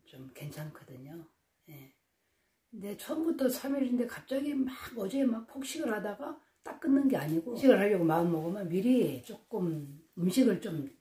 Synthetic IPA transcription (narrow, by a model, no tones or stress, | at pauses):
t͡ɕomke̞nt͡ɕʰaŋkʰʌdɯɲo | je̞ | kɯnde̞t͡ɕʰʌmbutʰʌsʰamiɾinde̞kap̚t͡ɕ͈aɡimaɡʌd͡ʑe̞mak̚pʰok̚ɕ͈iɡɯɭhadaɡa | t͈ak̚k͈ɯnːɯnɡe̞aɲiɡomɕʰiɡɯɭɦhaɭːʌɡomaɯnmʌɡɯmjʌnmiɾiet͡ɕ͈ok͈ɯmumɕʰiɡɯɭt͡ɕom